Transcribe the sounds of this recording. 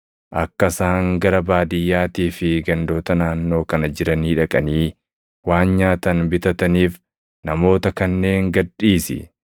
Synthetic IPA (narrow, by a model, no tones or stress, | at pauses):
ʔɐkːɐsaːŋɡɐɾɐbaːd̪ɪjːaːt̪iːfɪɡɐnd̪o̞ːt̪ɐnaːnːo̞ːkɐnɐd͡ʒɪɾɐniːᶑɐkʼɐniː | waːnɲaːt̪ɐnbɪt̪ɐt̪ɐniːf | nɐmo̞ːt̪ɐkɐnːe̞ːŋɡɐᶑiːsɪ̰